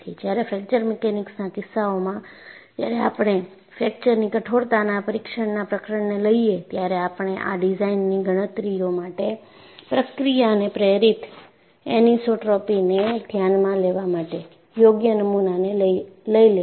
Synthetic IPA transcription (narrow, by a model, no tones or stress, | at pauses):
id͡ʒjaɾefɛk̚t͡ʃəɾmɛkenɪksnakɪsːaomãt̪jaɾeapɽ̃e | fɛk̚t͡ʃəɾnikəʈʰoɽt̪anapəɾikʃəɳnapɾəkɾəɳneləiet̪jaɾeapɳ̃eʔa̰ɖid͡ʒainːiɡʱəɽ̃ət̪ɾijomaʈe | pɾəkɾijaənepɾeɾit̪ | enisoʈɾɔpined̪ʱjanmãleʋamaʈe | joɡjənəmunaneləile